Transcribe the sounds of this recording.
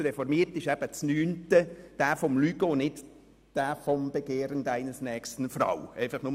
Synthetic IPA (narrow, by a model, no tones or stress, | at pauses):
ɾɛfɔɾmiəɾtɪʃɛb̥ət͡snyːntəd̥æːfɔmlyɡ̥onɪt | d̥æːfɔmb̥eɡ̥eːɾənd̥æɪnəsnɛːkstən̩fɾɑ̰wɛɪfɑχnʊm